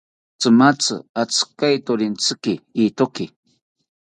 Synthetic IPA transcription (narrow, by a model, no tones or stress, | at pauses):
t͡sɨmat͡sɨ̰at͡skajt̪oɾɪnt͡sɨkɪiːt̪okɪ